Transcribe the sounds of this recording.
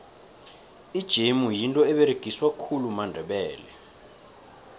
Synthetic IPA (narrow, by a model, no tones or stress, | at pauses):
id̥ʒ̥ʱemujintʼɔɛɓɛɾeɡ̥ʱiswakʰulumandʱɛɓɛːlɛ